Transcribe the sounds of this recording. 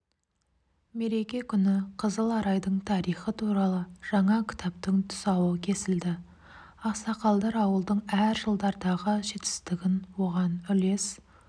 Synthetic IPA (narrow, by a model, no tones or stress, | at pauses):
me̞ɾe̞kʲe̞kʲʰʏnɪqʰəzəlˠɑɾɑjd̪əɴt̪ʰɑɾijχət̪ʰuɾɑlˠəʒ̥ɑɴɑkʲʰɪ̥t̪ɑp̚t̪əŋt̪ʰʊ̥sɑwəkʲʰe̞sɪld̪ɪ | ɑqsɑqɑlˠd̪ɑɾɑwəlˠd̪əɴæɾʒəlˠd̪ɑɾd̪ɑʁəʒe̞t̪ɪ̥st̪ɪɡʲɪnwo̞ʁɑnʏle̞s